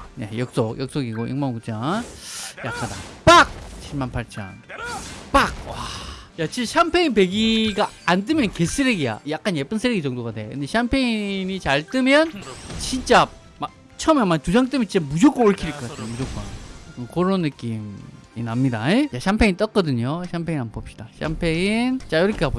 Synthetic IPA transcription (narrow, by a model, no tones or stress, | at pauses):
nḛjʌk̚s͈ok̚jʌk̚s͈oɡiɡoʔḭŋmamkut͡ɕʰanjak͈anda̰p͈ak̚ɕʰiɭmanpʰaɭt͡ɕʰʌ̰np͈ak̚wajat͡ɕiɕʰampʰeinp̬e̞ɡiɡaːndɯmjʌnkes͈ʰɯɾeɡija̰jak͈anjep͈ɯnsʰɯɾeɡit͡ɕʌŋdoɣadeɯndeɕʰampʰeinit͡ɕaɭt͈ɯmjʌnt͡ɕint͡ɕ͈a | ma | t͡ɕʰʌmjʌnmatud͡ʑaŋt͈ɯmjnt͡ɕit͡ɕ͈amud͡ʑok͈ooɭkʰiɾɯɭk͈ʌk͈atʰejomud͡ʑok͈otʰeɯkoɾonːɯk͈imḭnamɲidaejaɕʰampʰeŋint͈ʌk͈ʌdɯɲoɕʰampʰeinanbop̚ɕ͈id̥aɕʰa̰mpʰeŋint͡ɕ͈ajoɾʌkʰeabo